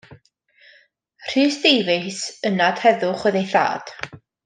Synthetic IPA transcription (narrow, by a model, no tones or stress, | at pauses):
r̥ɨːsd̥ejvɪsənad̥hɛðʊχwəðejθa̰ːd̥